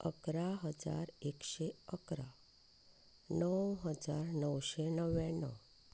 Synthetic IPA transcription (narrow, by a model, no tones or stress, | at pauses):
əkɾaɦəd͡za̰ɾekɕeəkɾa | nəwɦəd͡zaɾnəwɕenəʋɛ̃nːə̰